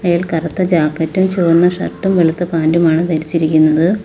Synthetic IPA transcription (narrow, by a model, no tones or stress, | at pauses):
ɐjaːlkɐrɐt̪ːɐd͡ʑaːkːɐtːumt͡ɕoːrnːɐʂɐ̰rʈːumʋeɭit̪ːɨpaːndumaːɳɨt̪ɐɾit͡ɕːiɾikʲːunːɐðɨ